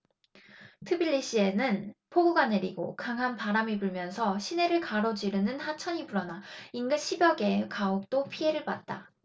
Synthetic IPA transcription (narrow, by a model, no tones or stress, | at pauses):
tʰɯbiʎːiɕ͈ie̞nɯnpʰoɡuɡane̞ɾiɡokaŋɦanpaɾamibuɭmjʌnsʰʌɕʰine̞ɾɯɭkaɾʌd͡ʑiɾɯnɯnhat͡ɕʰʌɲibuɾʌnainɡɯnɕʰibjʌɡe̞kaok̚t͈opʰie̞ɾɯɭbat̚t͈a